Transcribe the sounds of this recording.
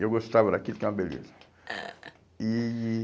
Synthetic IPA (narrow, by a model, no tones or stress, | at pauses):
ewɡost̪avɐd̪akilkɛw̃ɐbelḛzɐ | i